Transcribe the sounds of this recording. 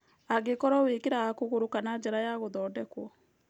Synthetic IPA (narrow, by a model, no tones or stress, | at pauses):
aɣekɔɾɔwekeɾaakoɣoɾokanad͡ʒɛɾajaɣoðɔːdɛkwɔ